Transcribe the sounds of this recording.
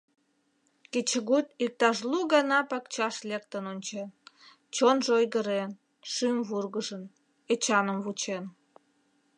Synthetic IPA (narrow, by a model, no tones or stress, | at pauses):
ket͡ɕəɣut̪ik̚t̪ɑʃluɣɑnɑpɑkt͡ɕɑʃlekt̪ənonʲt͡ɕen | t͡ɕonʒojɣəɾen | ʃymβurɣəʒən | et͡ɕɑnəmβut͡ɕen